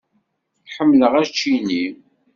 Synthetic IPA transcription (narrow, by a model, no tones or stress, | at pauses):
ħəmːləʁæt͡ʃːini